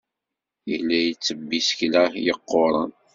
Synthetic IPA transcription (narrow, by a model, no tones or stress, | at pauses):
jə̰lːæjət͡sːəbːisə̥çlæhjəqːoɾˤɑn